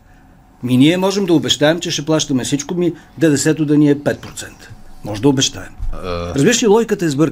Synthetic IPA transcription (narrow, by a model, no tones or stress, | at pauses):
miniɛmɔʒɛmd̪ɐʊbɛʃt̪aɛmt͡ʃɛʃɛplˠaʃt̪ɐmɛfsit͡ʃkomid̪ɛd̪ɛsɛt̪ʊd̪ɐniɛpɛt̪̚pɾot̪sɛnt̪ə̥ːɔʒɛd̪ɐobɛʃt̪a̰ɛmɾɐzbiɾəʃsilˠɔɡʲjkət̪ɐɛzbɤɾ